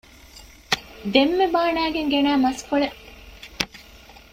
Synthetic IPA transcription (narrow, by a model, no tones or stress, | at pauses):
d̪emːebaːnæːɡeŋɡenæːmɐskoɭe